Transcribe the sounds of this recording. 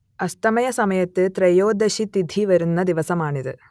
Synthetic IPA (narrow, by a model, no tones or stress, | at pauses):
ɐst̪ɐmɐjɐsɐmɐjɐt̪ːɨt̪ɾɐjoːd̪ɐɕit̪id̪ʱiʋɐɾunːɐd̪iʋɐsɐmaːɳiðɨ